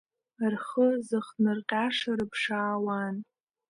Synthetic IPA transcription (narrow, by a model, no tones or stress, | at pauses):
rχəzɨχnɨrqʲʼaʂaɾɨpʰʂaːwan